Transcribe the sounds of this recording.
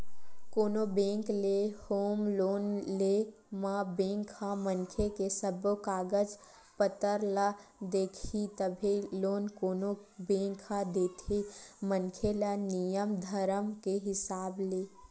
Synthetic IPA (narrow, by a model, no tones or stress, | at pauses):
koːnobẽːŋklehoːmloːnle | mãbẽːŋkʰamənkʰekesəbkaːɡəd͡ʒ | pət̪əɾlad̪eːkʰit̪əbʱiloːnkoːnobẽːŋkʰad̪eːt̪ʰimənkʰelənijəmd̪ʱəɾəmkeɦɪsaːbleː